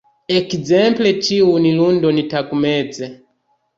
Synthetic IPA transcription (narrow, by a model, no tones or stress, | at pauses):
ɛkizɛmplɛt͡ʃiwunilundɔnitakumɛd͡zɛ